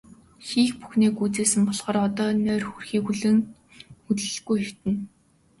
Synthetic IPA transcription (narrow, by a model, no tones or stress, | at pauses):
xiːxpu̥xneːkuːt͡seːsɘ̆mpɔɮʁ̥ɔːrɔt̪ɔːnœːrxurxiːkuɮɘ̆ŋ | xɵt̪ɮɘ̆ɮɡujxew̥t̪ɘ̆n